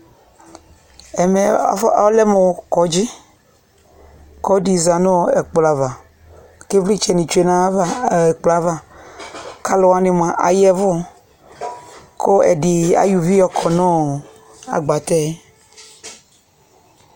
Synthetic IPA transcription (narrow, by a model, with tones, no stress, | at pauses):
ɛ˨mɛ˨˦ɔ˦lɛ˦me˨kɔ˨˦d͡ʒi˦ | kɔ˦ɖi˨za˨nɔ̃˦˨ɛ˨k͡pla˨va˨ | ke˦vli˦t͡ʃɛ˨nĩ˨t͡ʃu˦e˨nã˦va˦ɛ˨k͡pla˨va˨ | ka˦lɔ˨a˦nĩ˨mã˨ʔa̰˨jɛ˦vʊ˦˨ | kʰo˦ɛ̰˨ɖi˨a̰˨ju˨vi˦jɔ˨kʰɔ˨nɔ̃˦˨ | a̰˨ɡ͡ba˨t̪ɛ˦